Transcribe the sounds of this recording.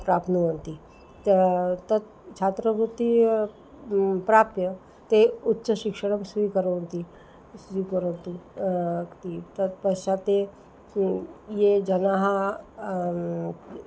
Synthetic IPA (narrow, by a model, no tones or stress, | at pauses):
pɾaːpnuənt̪i | t̪t̪ɐt̪ | t͡ʃʰaːt̪ɾəɡut̪i | pɾaːpjə | t̪eʊtːʃəʃɪkʃəɽ̃əmsikəɾont̪i | sikəɾənt̪u | t̪it̪ɐt̪pɐʃat̪e | jed͡ʒɐnaɦa